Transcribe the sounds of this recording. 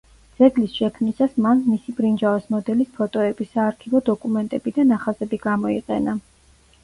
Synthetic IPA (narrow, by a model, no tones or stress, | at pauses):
d̪z̥ɛɡlisʃɛkʰmnisasmanmisibɾind͡ʒavɛsmɔd̪ɛlispʰɔt̪ʼɔɛbisaːɾkʰivɔd̪ɔkʼumɛnt̪ʼɛbid̪anaχazɛbiɡamɔiqʼɛna